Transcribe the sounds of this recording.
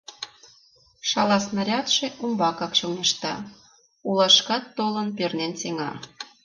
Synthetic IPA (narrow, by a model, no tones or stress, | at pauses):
ʃɑlɑsnɑɾʲɑt̪ʃeʔumbɑkɑkʃuneʃt̪ɑ̰ | ulɑʃkɑt̪ːolɤnpernʲenseŋɑ̰